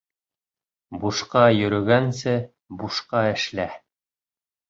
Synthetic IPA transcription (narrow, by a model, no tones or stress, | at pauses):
buʃqɑjɵ̆ɾɵ̆ɡænsɘ | buʃqɑɘ̆ʃlæ